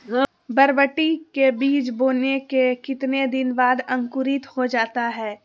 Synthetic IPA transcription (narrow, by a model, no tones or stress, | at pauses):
bɐɾbəʈikebiːt͡ʃboːnekekɪt̪ned̪ɪnbaːd̪ɐ̃ŋkʊɾɪt̪hod͡ʒaːt̪aɦɛː